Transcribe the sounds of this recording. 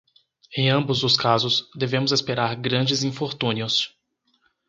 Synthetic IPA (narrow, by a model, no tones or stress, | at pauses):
ẽj̃ɐ̃bʊzd̪ʊskazʊsd̪evẽmʊzespeɾaɾɡɾɐ̃d͡ʒɪzĩfoɾt̪ũniʊs